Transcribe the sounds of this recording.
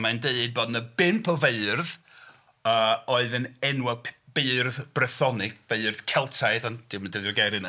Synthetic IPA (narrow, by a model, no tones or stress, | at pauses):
mandeːd̚boːdnəbɪnpʰɔveɨrð | əːɔɨðənɛnwɛlˠpʰb̥eːrðb̥rɛθɔnɪɡ̥̚veɨrð̥kʰɛlˠtʰaɨðand̥ɪwmandɪɪrɡɛɾɨn